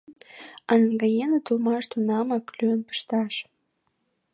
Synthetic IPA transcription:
ɑnəŋɡɑjenət̪ulmɑʃt̪unɑmɑklyənpə̥ʃt̪ɑʃ

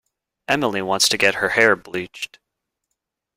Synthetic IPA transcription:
ʔɛməlˠiwɑ̃ntstʰɨɡɛt̚hə˞hɛɹblit͡ʃt̚

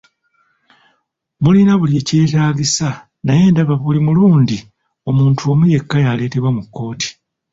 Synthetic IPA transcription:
mulinaβulje̞ce̞ːtaːɡisa | naje̞ːndaβaβulimuluːndi | o̞muːntʰuo̞muje̞kːajale̞ːte̞βwamukːo̞ːtʰi̥

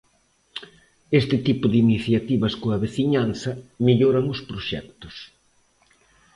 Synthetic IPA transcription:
est̪ɪt̪ipʊðiniθjat̪iβɐskoɐβeθiɲanθɐmiʎoɾɐŋʊspɾoʃɛ̰k̚t̪ʊ̥s

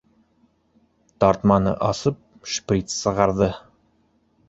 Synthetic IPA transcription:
t̪ɑɾt̪mɑnɤ̰ʔɑsɤp̚ʃprʲit̪sɤ̆ʁɑɾðɤ

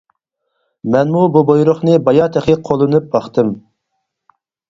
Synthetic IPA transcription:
mɛnmububojɾʊχnɨbɑjɑt̪ʰɛχɪqʰolˠɨnɨp̚bɑχt̪ʰɨm

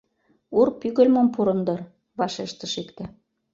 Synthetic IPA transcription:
urpyɣə̆lʲmŏmpuɾɤ̆nd̪ɤ̆r | βɑʃeʃt̪ə̆ʃik̪t̪ĕ

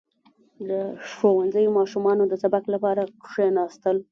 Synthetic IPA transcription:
d̪əʂowanzəjomɑʃumɑnod̪əsabaklapɑɾakʂenɑst̪əl

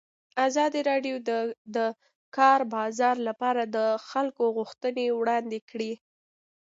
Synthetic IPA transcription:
azɑd̪iɾɑɖjod̪əd̪ə | kɑɾbɑzɑɾlapɑɾad̪əxalkoɣʊxt̪ənewɽɑnd̪ekɽi

